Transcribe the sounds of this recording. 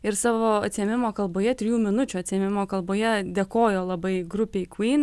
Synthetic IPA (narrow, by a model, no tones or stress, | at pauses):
ɪɾsɑːʋoːɐt̪ʲsʲiɛmʲɪmoːkɐlˠboːjɛt̪ʲɾʲɪjuːmʲɪnʊt͡ʃʲuɐt̪ʲsʲijɛmʲɪmoːkɐlˠboːjɛd̪ʲeːkoːjoːlˠɐbɐɪɡɾʊpʲeːkʋiːn